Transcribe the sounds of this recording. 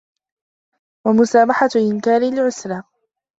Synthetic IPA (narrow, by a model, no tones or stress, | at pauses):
wamʊsaːmaħaʔɪnkaːɾɪlʕʊsɾˤɑː